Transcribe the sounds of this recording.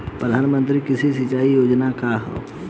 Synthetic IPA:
pɾəd̪ʱaːnmə̃nt̪̬ɾikɪsis̬ɪt͡ʃaːijoːd͡ʒnakaɦo̰ː

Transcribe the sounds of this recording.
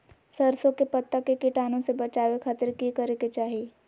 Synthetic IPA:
sɐɾsõkepɐt̪ːakekɪʈaːnõsebɐt͡ʃaːwekʰaːt̪ɪɾkikɐɾeket͡ʃaːɦie

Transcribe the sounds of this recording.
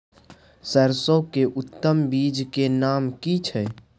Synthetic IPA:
səɾsokeʔʊt̪ːəmbiːd͡ʒkenamkit͡ʃʰɛ

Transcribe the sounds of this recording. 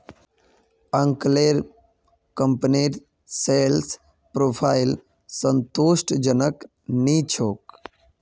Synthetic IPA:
əŋkleɾ | kəmpniɾ | sels | pɾoːpʰaɪl | sənt̪usʈd͡ʒənək | nit͡ʃʰoːk

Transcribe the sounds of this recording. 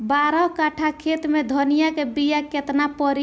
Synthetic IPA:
baɾɔɦkaʈʰakʰet̪med̪ʱɔnijakebijaket̪napəɾi

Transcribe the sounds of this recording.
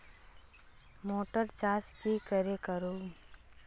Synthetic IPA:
moːʈəɾt͡ʃaːskikəɾekəɾoː

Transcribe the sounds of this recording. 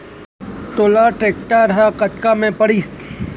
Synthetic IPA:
t̪oːlaʈɾeːkʈaɾɐɦakɐt̪kamẽpɐɽiːs

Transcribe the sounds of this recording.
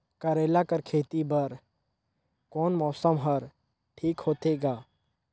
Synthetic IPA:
kəɾeːlakəɾkʰeːt̪ibəɾ | kɔːnmɔːsəmɦəɾ | ʈʰiːkɦoːt̪eːɡaː

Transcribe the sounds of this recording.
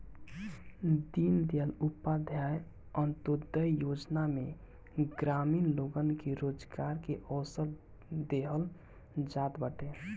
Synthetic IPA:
d̪ind̪eəlupːad̪ʱjaj | ənt̪od̪əjjod͡ʒname | ɡɾaminloɡənkeɾod͡ʒɡaɾkeʔɔːsəɾ | d̪eɦəl | d͡ʒat̪bəʈe

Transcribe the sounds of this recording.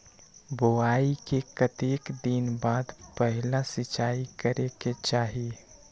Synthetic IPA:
boaːikekət̪eːkd̪inbaːd̪pəɦɪlãsɪt͡ʃaːikəɾeket͡ʃaːɦi

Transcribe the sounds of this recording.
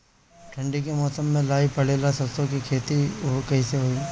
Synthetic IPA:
ʈʰɐ̃ɳɖikemɔːsəmːẽlaːipɐɽ̤eːlasɐst̪õkikʰeːt̪iokɐɦĩseɦoːiː

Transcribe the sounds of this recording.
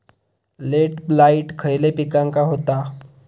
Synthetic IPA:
leʈblaiʈkʰəjlepikãŋkaɦot̪a

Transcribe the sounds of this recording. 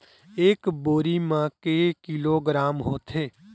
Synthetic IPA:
eːkboːɾimãːkeːkiːloːɡɾaːmɦoːt̪ʰeː

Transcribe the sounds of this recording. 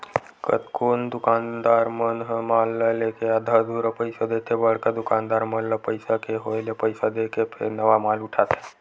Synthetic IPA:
kə̰t̪koːnd̪ʊkaːnd̪aːɾmənɦmaːlːəlekead̪ʱad̪ʱuɾapəɪsad̪et̪ʰebəɽ̤kad̪ʊkaːnd̪aːɾməlːəpəɪsakeɦoelepəɪsad̪ekepʰḛɾnəʋamaːlʊʈʰaːt̪e̥

